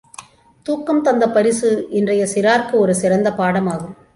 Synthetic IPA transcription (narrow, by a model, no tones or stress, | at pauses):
t̪uːkːɐmt̪ɐnd̪ɐpɐɾɪsɯɪndrɐjɐsɪɾaːɾkɯɔɾɯsɪɾɐnd̪ɐpaːɽɐmaːɣɯm